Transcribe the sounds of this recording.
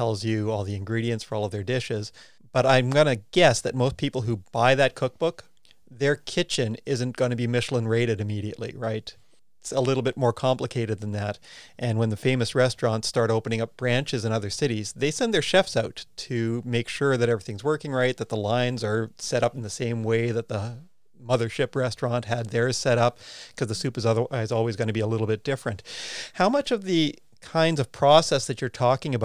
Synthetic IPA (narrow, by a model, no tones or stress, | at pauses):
ɛlˠzjɨɔlˠðiɨ̃nɡɹiɾiɨ̃ntsfə˞ɔlˠʌvðə˞dɪʃɪz | b̥ʌɾãɪ̃mɡʌnɨɡ̥ɛsðɨt̚moʊspʰipl̩ˠɦub̥aɪðɨt̚kʰʊk̚b̥ʊk | ðə˞kʰɪt͡ʃɨ̃nɪzɨ̃nɡ̥ʌñɨbimɪʃl̩ˠə̃nɹeɪɾɨɾɨmiɾiɨ̰ʔˡlḭɹaɪt | ɪtsəlɪɾl̩ˠbɪt̚mɔɹkʰɑ̃mpləkʰeɪɾɨd̪̚ðɨ̃nðæɾʔɨ̃nwə̃nðɨfẽɪ̃mɨsɹɛstɹ̥ɑ̃ntstɑɹɾoʊpə̃ñɪ̃ŋʌp̚b̥ɹæ̃nt͡ʃɨzɨ̃nʌðə˞sɪɾizðeɪsɛ̃nðə˞ʃɛfsaʊtʰɨmeɪkʃʊɹðɨɾɛvɹiθɪ̃ŋzwɜ˞kɪ̃ŋɹaɪt̪̚ðɨt̪̚ðəlãɪ̃nzə˞sɛɾʌpn̩ðɨsẽɪ̃mweɪðɨt̪̚ðə | mʌðə˞ʃɪpɹɛstɹ̥ɑ̃nt̚ɦɨd̪̚ðə˞z̥sɛɾʌp̚kʰʌzðɨsʉpɨzaɪzɔlˠwizɡʌñɨbiəlɪɾl̩ˠbɪt̚d̥ɪfɹɨ̃nt̚haʊmʌt͡ʃʌvðɨ | kʰãɪ̃ndzʌv̥pʰɹ̥ɔsɛsðɨt͡ʃə˞tʰɔkɪ̃ŋɨb